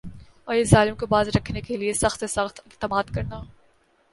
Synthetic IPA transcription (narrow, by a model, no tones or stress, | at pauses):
ɔːɾezaːlɪmkobaːzɾɐkʰnekeliesɐxt̪sesɐxt̪ɪkt̪ɪmaːd̪kɐɾnaː